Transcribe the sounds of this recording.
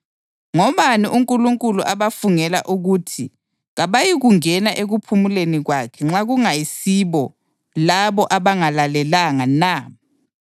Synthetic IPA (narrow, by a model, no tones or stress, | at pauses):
ŋɔβaniʔuŋkʼuluŋkʼuluʔaβafuŋɛlaʔuɣutʰi | ɣaβajiɣuŋɛnaʔeɣupʰumuleniɣwakʰɛŋ͡ǁaɣuŋajisiβɔ | laβɔʔaβaŋalalɛlaŋana